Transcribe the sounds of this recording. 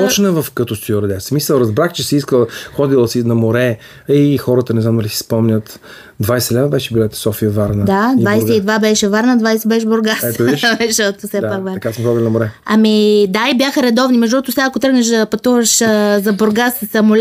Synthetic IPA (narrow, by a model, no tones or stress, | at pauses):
pɔt͡ʃnəvɐfkɐt̪ɔst̪jɔɾɐd̪ɛsmisəlˠɾɐzbɾaxt͡ʃɛsiiskəlˠxɔd̪ilˠəsinɐmoɾɛ | ixɔɾət̪ənɛznamd̪ɐlisi̥spɔmɲʲət̪ | d̪vajsɛɛlɛvəbɛʃɛbulɛt̪ɛ̥sɔfijəvaɾnəd̪ad̪vajsɛid̪vabɛʃɛvaɾnɐd̪vajsɛbɛʃ̬ɛboɾɡasɛʃmɛʃot̪ʊsɛpakvaɐkasmxɔd̪ʲilʲnɐmʊɾɛɐmid̪aibjaxəɾɛd̪ɔvnimɛʒd̪ɔt̪ʊsaakot̪ɾɤɡnɐʃd̪ɐpɐt̪uvɐʃzɐboɾɡassɐmʊl